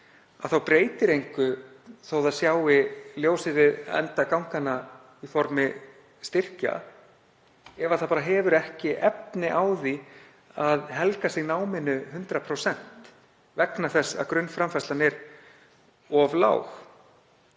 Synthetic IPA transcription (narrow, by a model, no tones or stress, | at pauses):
aðθawpɾeːjt̪ɪɾejŋkʏ | θowðaðsjaːwɪljoːwsɪvɪðɛ̰nt̪akawŋ̥kana | ifɔɾmɪ | st̪ɪr̥ca̰ | ɛvaθapaːɾaɦɛːvʏɾɛhcɪʔɛp̚nɪʔaːwði | aðɦɛlkasɪɣnaːwmɪnːʏhʏnt̪ɾapʰɾowsɛn̥t̪ | vɛknaθɛsːa̰ðkɾʏnfɾamfaslanɛɾ | ɔvla̰ːwx